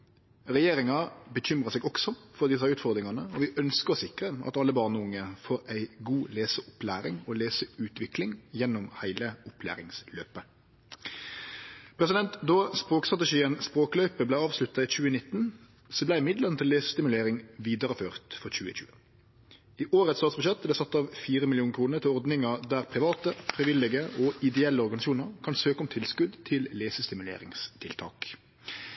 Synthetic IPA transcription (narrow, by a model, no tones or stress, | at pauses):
ʁɛjeːʁɪŋɑbəçʏmʁəseːɡɔksɔfɔʁd̪ɪs̬ɑʉːt̪fɔʁd̪ɾɪŋɑnəɔʋɪʔœnskəʁsɪkʁəʔɑ̰t̪ɑlːəbɑʁnəʊŋːəfoːɾæɪɡuːleːsəʔʊplæːʁɪŋɔːleːsəʉːt̪ʋɪklɪŋjɛnːʊmhæɪləʊpʰlæ̰ːʁɪŋsløːpə | pʰɾɛs̬ɪd̪ɛnt̪d̪ɔspʁoːkst̪ʁɑt̪ɛʃiːənspʁoːklœʏpəblæɪɑːʋslʉt̪ːɑiːc͡çʉːənɪt̪ːn | sɔblæɪɪmɪd̪ləʁnət̪ʰɪlːeːsə̥st̪ɪmʉleːʁɪŋʋiːd̪ɑʁəføːʁt̪fɔʁçʉːəçʉ̰ːə | iːʔoːʁət̪st̪ɑːt̪sbʉʃɛt̪bd̪ɛsɑt̪ːɑːʋfiːʁəmɪlɪuːnkʰʁuːnəʁt̪ʰɪlɔʁd̪nɪŋɑʁd̪æʁpʰʁɪʋɑːt̪əfʁɪʋɪlɪɡəʔɔɪd̪ɛɛlːəɔʁɡɑnɪsuːnəʁkʰɑnsøːkʊmt̪ʰɪlskʉd̪t̪ʰɪlːeːsəst̪ɪmʉlḛːʁɪ̰ŋst̪ʰɪlt̪ʰɑ̰ːk